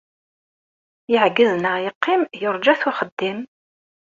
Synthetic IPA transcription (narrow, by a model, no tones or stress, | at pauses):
jɪʕɡəznəjəqːɪmjoɾˤd͡ʒæθʊχəd̪ːim